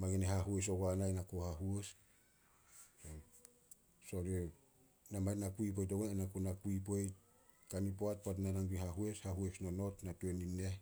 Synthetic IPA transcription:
maɡeneɦaɦues̬o̞ɡanajnakohaɦues | so | soɾe | namanakuip̬ojt̬oɡeenakonakuip̬ejt̚ | kanipoat̚poat̬nanaŋɾiɦaɦueshaɦuesno̞notnatueninːe

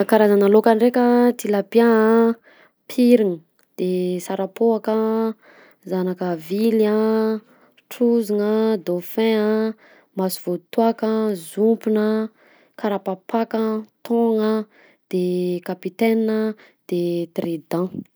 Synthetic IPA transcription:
kaɾazanəlokanrekʲət̪ilapiaa | pʰiɾiŋə | d̪̥esaɾapoakə | zanakəvilã | ʈ͡ʂuziŋəd̪ofɛ̃ə | masuv̥ot̪uakəzumpunə | kaɾapapakət̪ʰɔ̃ŋə | d̪̥ekapit̪ɛnːə | d̪̥et̪red̪ã

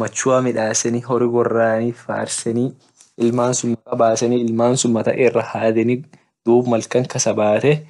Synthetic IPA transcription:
mɐt͡ʃːʊwamɪᶑaːsɛnɪɦɔɾɪɡɔrːaːniːfa̰ɾsɛni | ʔɪlmaːnsʊmːɐtɐbaːsɛniɪlmaːnsʊmːɐt̪ɐ̰ʔɪrːɐhaːd̪ɛnɪ | d̪̥uːbmɐlkɐŋkɐsɐbaːt̪ɛ

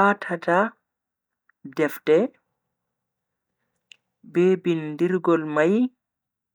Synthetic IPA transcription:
atʰata | dɛftɛ | bɛbindiɾɡɔlmaj

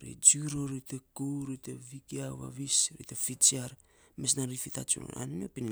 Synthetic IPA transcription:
ɾḭd͡ʒuɾoɾitekowɾitevikiawa̰βisɾḭtefit͡ʃiaɾ | mes̬nanɾifita̰t͡ʃṵna̰ninopin

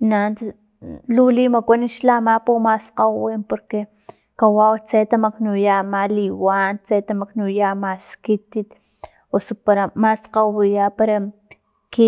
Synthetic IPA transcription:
nant͡s | lulimakʷaniʃlamapumasqawwimpoɾke | kawawt͡set̪amaknujamaliwant͡set̪amaknujamaskit̪it̪ | osopaɾamasqawwijapaɾa | ki

